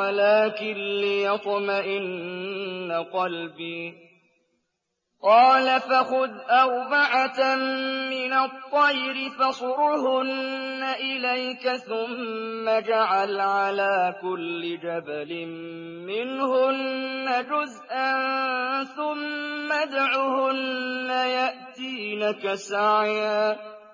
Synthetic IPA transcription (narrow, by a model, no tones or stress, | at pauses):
alaːkɪnlɪjɑt̪ˤmaʔɪnː | aqɑlbiː | qɑːlafaxʊd̪ʔawbaʕatː | ɪnat̪ˤːɑjɾɪfasʊɾhʊnːaʔɪlajkaθʊmːad͡ʒaʕalʕalaːkʊlːɪd͡ʒabalɪmː | ɪnhʊnːad͡ʒʊzʔanθʊmːad̪aʕʊːhʊnːajaʔt̪iːnakasaʕjaː